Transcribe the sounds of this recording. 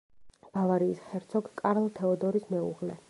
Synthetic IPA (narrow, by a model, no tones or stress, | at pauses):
b̥avaɾiːsχɛɾt̪sʰɔkkʼaɾlˠt̪ʰɛɔd̪ɔɾismɛṵʁlɛ